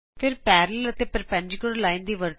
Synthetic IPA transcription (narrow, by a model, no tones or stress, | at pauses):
pʰɪɾpɛːɾələt̪eːpəɾpə̃ɲd͡ʒkəɽlaːĩːnd̪iːʋəɾt̪